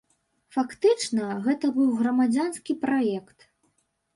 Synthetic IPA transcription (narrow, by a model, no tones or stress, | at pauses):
fakt̪ɨt͡ʂnɐɣɛt̪ɐbɨwɣɾɐmad͡zʲanskʲipɾajɛkt̪